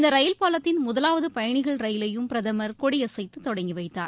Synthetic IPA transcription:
ɪnd̪ɐɾɐjɪlpaːlɐt̪ːɪnmʊðɐlaːʋɐðɯpɐjɐɳɪɣɐɭɾɐjɪlɐjɯmpɪɾɐðɐmɐɾkoɽɪjɐsɐɪt̪ːɯt̪ːɔɽɐŋɡiʋɐɪt̪ːa̰ːɾ

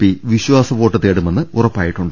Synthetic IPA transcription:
piːʋiɕʋaːsɐʋo̞ːʈːɐt̪ːeːɽumenːɨurɐpːaːjiʈːuɳɖɨ

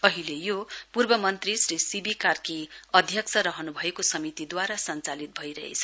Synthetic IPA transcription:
ʌɦilejopurbʌmʌnt̪risrisibikarkiʌd̪ʱjʌk̚t͡sʰʌɾʌɦʌnubʱʌekosʌmit̪id̪waɾasʌnt͡salit̪̚bʱʌiɾʌɦḛt͡sʰʌ̥

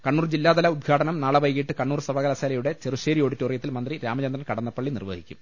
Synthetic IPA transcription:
kɐɳːuːrd͡ʑilːaːd̪ɐlɐud̪̚ɡʰʱaːɽɐnɐmnaːɭɐʋɐjɣiʈːɨkɐɳːuːrsɐbɐɣɐlɐseːlɐjuɽe̞t͡ɕeruʂeːɾijoːɽitːorijɐt̪ːilmɐnd̪riɾaːmɐt͡ɕɐnd̪rɐnkɐɽɐnːɐpːɐɭːinirʋɐ̰ɦikʲːṵm

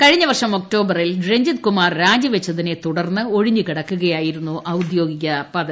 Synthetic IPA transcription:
kɐɻiɲːɐʋɐrʂɐmo̞k̚ʈo̞ːbɐrilɖreɲd͡ʑit̪̚kumaːrɾaːd͡ʑɐʋet͡ɕːɐðinet̪uɽɐrnːɨo̞ɻiɲːukiɽɐkːuɣɐjaːjiɾunːuʔɐwd̪jo̞ːɡiɣʲɐpɐðɐ

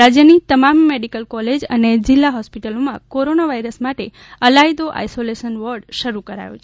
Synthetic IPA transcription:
ɾad͡ʒjənit̪əmamːeɽikəlkɔled͡ʒə̰ned͡ʒɪlːaɦɔspiʈəlomãkoɾonaʋaijɾəsmaʈe | əlajd̪oʔa̰jsoleʃənʋəɾɖʃəɾukəɾa̰jo̰t͡ʃʰe

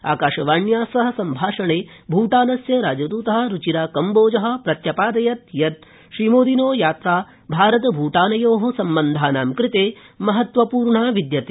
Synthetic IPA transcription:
a̰ːkaːʃɐʋaːɳjaːsɐɦɐ̆sɐmbʱaːʂɐɳeːbʱuːʈaːnɐsjɐɾaːd͡ʒɐd̪uːt̪ɐɦɐ̆ɾut͡ʃiɾaːkɐmboːd͡ʒɐɦɐ̆pɾɐt̪jɐpaːd̪ɐjɐt̪̚jɐt̪̚ | ʃɾimoːd̪inoːjaːt̪ɾaː | bʱaːɾɐt̪ɐbʱuːʈaːnɐjoːɦɐsɐmbɐnd̪ʱaːnaːmkɾɪt̪eːmɐɦɐt̪ʋɐpuːɾɳaːʋid̪jɐt̪e

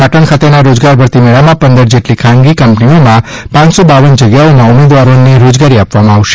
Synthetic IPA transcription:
aʈʰəɳkʰat̪enaɾod͡ʒɡaɾbʱəɾt̪imeɭamãpənd̪əɾd͡ʒeʈlikʰãŋɡikəmpniomã | pãt͡ʃsobaʋənd͡ʒəɡjaomãʊmed̪ʋaɾoneɾod͡ʒɡaɾiapʋamãːʋʃe̥

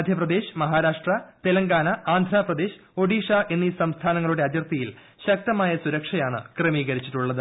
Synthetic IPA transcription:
d̪ʱjɐprɐd̪e̞ːɕmɐɦaːɾaːʂʈrɐt̪elɐŋɡaːnɐaːnd̪ʱraːprɐd̪e̞ːɕ | o̞ɽiːʂaːʔe̞nːisɐmst̪ʰaːnɐŋːɐɭuɽeɐd͡ʑjɐrt̪ijil | ɕɐk̚t̪ɐmaːjɐsuɾɐkʂɐjaːɳɨ̰krɐmiːɣɐɾit͡ɕːiʈːuɭːɐðɨ

